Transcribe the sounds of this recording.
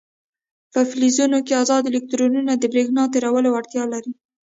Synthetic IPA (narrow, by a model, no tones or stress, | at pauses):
pəflizunokeazɑd̪ɪlɪk̚t̪ɾonunad̪əbɾeɡnɑt̪eɾawəlawaɽt̪jɑlaɾi